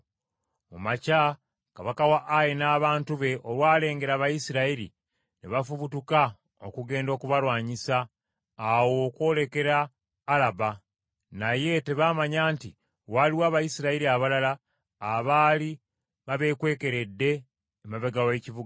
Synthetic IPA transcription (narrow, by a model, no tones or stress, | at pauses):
omaca | kaβakawaʔːjenaːβaːntuβe̞ʔolwaːle̞ːŋɡe̞ɾaβajisiɾaiɾḭ | nḛβafuβutuka | o̰kuɡe̞ːndo̞ːkuβalwaːɲisaː | wo̞kwo̞ːle̞ke̞ɾaː | laba | naje̞te̞βaːmaɲaːnti | waliwaːβajisiɾaiɾiaβalalaː | βaːli | βaβe̞ːkwe̞ːke̞ɾe̞dːe̞ː | maβeɡawe̞civuɡa